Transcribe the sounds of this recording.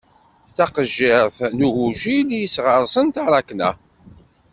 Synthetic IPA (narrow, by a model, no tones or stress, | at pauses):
θaqəʒːɪɾθnuɣuʒiljəsʁəɾˤsˤənt̪ɑɾˤɑknæ̰